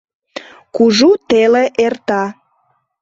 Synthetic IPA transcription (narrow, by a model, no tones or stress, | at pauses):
kuʒut̪eleʔert̪ɑ